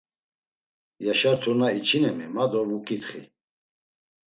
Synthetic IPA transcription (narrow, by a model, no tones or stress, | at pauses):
jaʃaɾt̪ʰunait͡ʃʰinɛmimad̪ɔvukʼit̪χḭ